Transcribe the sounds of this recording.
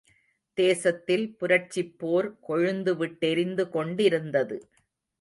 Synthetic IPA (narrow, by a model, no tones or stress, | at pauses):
d̪̥eːsɐt̪ːɪlpʊɾɐʈt͡ʃːɪpːoːɾkɔɻɯnd̪ɯʋɪʈːɛɾɪnd̪ɯkɔɳɖɪɾɯnd̪ɐðɯ